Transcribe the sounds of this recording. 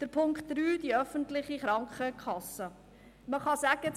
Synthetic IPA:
d̪̥əɾpʰʊŋkχtd̥ɾyːdiœfəntlɪχiχɾɑŋkχəkʰɑsə | məχɑsæɡə

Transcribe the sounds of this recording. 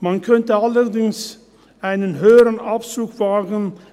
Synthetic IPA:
mɑnkʰœntəɑləʁdɪŋs | aɪnənɦøːəɾənapsuːkv̥aːɡən̩

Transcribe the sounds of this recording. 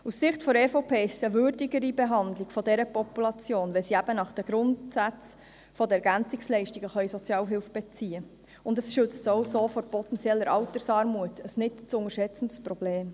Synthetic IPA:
usːɪχtfɔɾɛfopʰeːstəʋʏɾdiɡəɾibeɦɑndlɪɡ̥fɔdɛɾəpɔpulɑt͡sjoːnʋɛlsiæbənɑχd̥əɡ̥ɾʊntsæt͡s | fɔd̪əɛɾɡænt͡sɪkslɛɪʃtiɡ̥əχœjsɔt͡sjɑːlɦɪlfb̥ɛt͡siːə | ʊndəsʃʏt͡stoʊsoːfɔɾpɔt̪ɛnt͡sjɛlːəɾʔɑlt̪əɾsɑːɾmuətəsnɪtt͡sʊŋəɾʃɛt͡sən̩tsprɔb̥leːm

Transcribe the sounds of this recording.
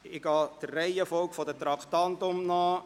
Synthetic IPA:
ɪɡɑːd̪̥ərɛɪəfɔlkfɔd̪ətɾɑkt̪ɑntʊmnɑː

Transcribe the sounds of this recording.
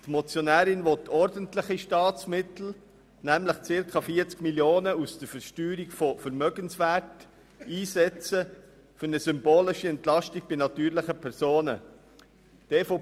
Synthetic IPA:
tmɔt͡sjonæːɾɪnʋɔtːʰɔɾdəntlɪχiʃtɑːt͡smɪtl̩ | næmləχt͡sɪɾkʰɑfiːət͡skmiljoːnəusd̥əɾfəɾʃtyːɾiɡfɔfəɾmœɡənsvæːɾt | iːsɛt͡sə | fʏɾnəsʏmboːlɪʃiɛntlɑʃtiɡ̥̚b̥ɪnɑtyːɾlɪχəpʰɛɾsoːnə | d̥ɛfo

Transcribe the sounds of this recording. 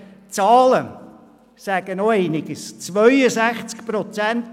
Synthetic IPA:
t͡sɑːlə | sæɡ̥ənoeɪnɪɡəst͡sʋœʏəsæχt͡skpɾɔt͡sænt

